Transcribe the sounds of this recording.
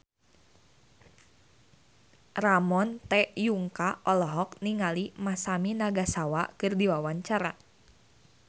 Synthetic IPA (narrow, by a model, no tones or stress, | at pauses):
ramɔnt̪ɛjuŋkaʔɔlɔɦɔk̚niŋalimasaminaɡasawakɨrdiwawaɲt͡ʃaɾa